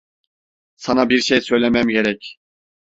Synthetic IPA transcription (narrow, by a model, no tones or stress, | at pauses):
sanabiɾʃejsø̞jlʲemæmɟe̞ɾɛc